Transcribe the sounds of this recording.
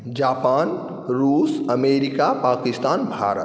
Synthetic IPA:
d͡ʒapaːn | ɾuːsəmeɾikapaːkist̪aːnbʱa̰ɾə̰t

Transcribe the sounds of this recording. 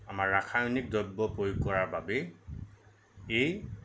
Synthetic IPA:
amaɹːakʰajonik̚dɔjbːɔpojkɔɹaɹbabɛ | ej

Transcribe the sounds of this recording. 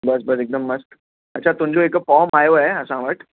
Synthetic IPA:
bɐs̬bɐsɪk̚d̪əmːɐsk | ɐtːʃʰat̪ʊ̃md͡ʑoeːkfɔːmaːjoɦɛɐsãʋəʈ

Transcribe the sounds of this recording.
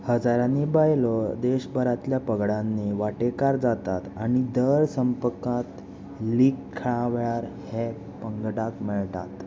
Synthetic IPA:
həd͡zaɾanibajlɔd̪eɕbʱəɾat̪ljapəɡɽãnːeʋaʈekaɾd͡zat̪at̪añid̪əɾsəmpəkat̪ | likʰːəɭaʋɭaɾhe | pəŋɡɖakmɛɭt̪a̰t̪

